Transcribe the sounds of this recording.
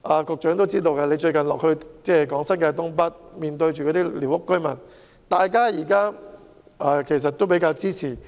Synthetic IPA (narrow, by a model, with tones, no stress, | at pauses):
ʔaː˨˧kɔː˧k̚t͡ʃœː˨˥ŋt̪o˥wt͡siː˥t̪o˧wkɛ˧le˨˧jt͡ʃɵ˧ɥkɐ˨˩nlɔː˨k̚hɵ˧ɥt͡sɛː˥˩kɔː˨˥ŋsɐ˥nkɛː˧t̪ʊ˥ŋp̬ɐ˥t̚miː˨˧nt̪ɵ˧ɥt͡ʃy˨kɔː˨˧t̪iː˥li˨˩wʊ˥kːɵ˥ɥmɐ˨˩n | t̪aː˨jkaː˥jiː˨˩kaː˥ | ʔaː˧kʰe˨˩js̬ɐ˨t̪̚ːo˥wp̬e˨˥jkaː˧wt͡siː˥t͡sʰiː˨˩